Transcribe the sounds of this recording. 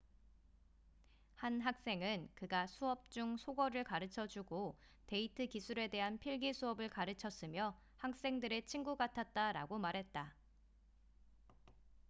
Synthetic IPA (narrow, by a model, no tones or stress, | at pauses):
hanɦak̚s͈e̞ŋɯnkɯɡasʰuʌp̚t͡ɕ͈uŋsʰoɡʌɾɯɭkaɾɯt͡ɕʰʌd͡ʑuɡo | te̞itʰɯkisʰuɾe̞de̞ɦanpʰiɭɡisʰuʌbɯɭkaɾɯt͡ɕʰʌs͈ɯmjʌ | hak̚s͈e̞ŋdɯɾe̞t͡ɕʰiŋɡuɡatʰat̚t͈aɾa̰ɡomaɾɦe̞t̚t͈a